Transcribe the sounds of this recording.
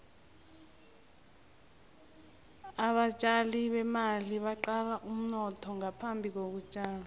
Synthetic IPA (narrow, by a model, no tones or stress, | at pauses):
aɓat͡ʃʼaliɓɛmaliɓaǃalaʔum̩nɔtʰɔŋapʰambʱik̬ok̬ut͡ʃʼaːla